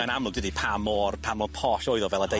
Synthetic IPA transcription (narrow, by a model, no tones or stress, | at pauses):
ənamlʊdɪdipʰamɔrpʰamɔpʰɔʃɔɨðɔvɛlˠəde